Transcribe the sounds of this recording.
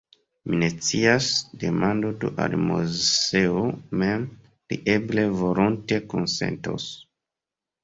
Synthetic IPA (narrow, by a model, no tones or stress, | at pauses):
minet͡siasde̞mandodṵʔa̰lmoeomem | ɾḭʔeble̞volonte̞konse̞̰nto̰s